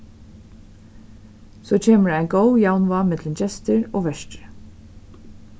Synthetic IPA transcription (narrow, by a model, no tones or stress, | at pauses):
soːt͡ʃʰeːməɖæɪɡoʊjaʊnʋɑmɛd̪ləmd͡ʒɛst̪əɹoːʋɛʃʈɾə